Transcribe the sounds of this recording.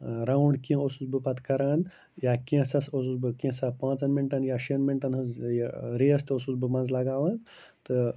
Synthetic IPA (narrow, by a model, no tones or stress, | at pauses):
ɾawuɳɖkĩosut͡sbɨpɐt̪kɐɾaːn | jakĩsɐsosut͡sbɨkĩsapãːt͡sɐnmiɳʈɐnjaʃenmiɳʈɐnɦɨzjɾeɐst̪osut͡sbɨmɐnzlɐɡaːʋaːn | t̪ɨ